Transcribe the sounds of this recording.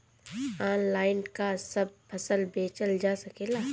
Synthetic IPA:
aːnlaːɪnkasɐb̚pʰɐsəlbeːt͡ʃəld͡ʒaːsɐkeːlaː

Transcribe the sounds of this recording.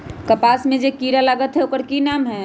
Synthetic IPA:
kəpaːsmẽd͡ʒekiɾalaɡət̪ɦɛokəɾkinaːmɦɛ

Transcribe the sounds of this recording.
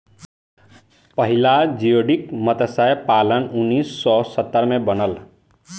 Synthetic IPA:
pʌɦilad͡ʒijoɽikmʌt̪ʌsajpalʌnunːisːɔsʌt̪ːəɾmebʌnʌl

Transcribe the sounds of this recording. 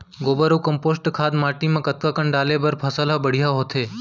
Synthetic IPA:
ɡoːbəɾukəmpoːsʈkʰaːd̪maːʈimãkət̪̚kakəɳɖaːlebəɾpʰəsəlabəɽ̤ijaɦot̪ʰeː

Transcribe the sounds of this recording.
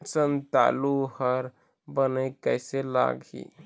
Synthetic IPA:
sənt̪a̰luhəɾ | bənəkəɪsela̰ɡḭ

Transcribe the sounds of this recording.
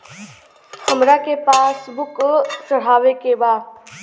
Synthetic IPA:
həmɾakepaːsbʊkt͡ʃəɽ̤aːʋekebaːd̪̚

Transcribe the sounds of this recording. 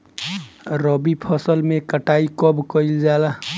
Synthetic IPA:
ɾəbipʰɔsəlmekəʈaikɔbkəild͡ʒala

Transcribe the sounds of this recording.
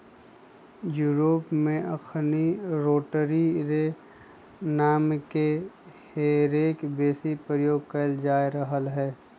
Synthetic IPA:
juːɾoːpmẽʔɐkʰniɾoːʈəɾiɾe | naːmke | heːɾeːkbeːsipɾɾəjoːɡ̚kəld͡ʒaːeɾəɦəlɦɛː

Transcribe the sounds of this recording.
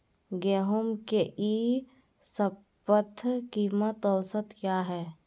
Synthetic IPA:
ɡeːɦʊmkeʔi | sə | pət̪ʰkiːmət̪ɔːsət̪kjaːɦɛː

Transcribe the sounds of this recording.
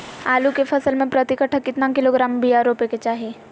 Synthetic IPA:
aːlukefʰɐsəlmẽpɾɐt̪ɪkəʈʰəkːɪt̪nãkɪloɡɾaːmbijaːɾoːpeket͡ʃaːɦe

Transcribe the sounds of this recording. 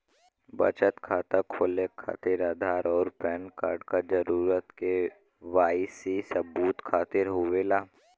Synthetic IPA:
bə̰t͡ʃət̪kʰaːt̪akʰoːlekʰa̰ːt̪ɪɾaːd̪ʱaːɾɔːɾpɛːnka̰ːɾɖkad͡ʒəɾuːɾət̪ke | ʋaːisisəbuːt̪kʰaːt̪ɪɾɦʊʋelaː

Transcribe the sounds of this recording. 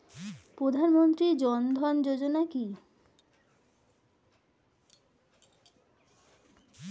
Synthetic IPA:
pɾod̪ʱanmont̪ɾid͡ʑɔnd̪ʱɔnd͡ʑod͡ʑonaki

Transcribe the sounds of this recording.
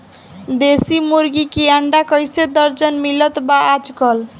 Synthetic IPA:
d̪esimuɾɡikijaɳɖakəjsed̪əɾd͡ʒənmilət̪baad͡ʒkəl

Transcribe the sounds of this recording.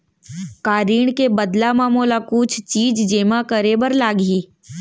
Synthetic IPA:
kaːɾiːɳ̃kebəd̪lamaːmoːlakut͡ʃʰt͡ʃiːd͡ʒd͡ʒeːmakəɾebəɾlaːɡɦiː

